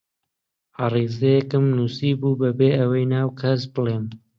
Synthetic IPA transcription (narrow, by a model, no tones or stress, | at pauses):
ɑrizejɛkɨmnusibuːbɐbeːʔɐwɐjnaːwkʰɐs̬bɨlˠeːm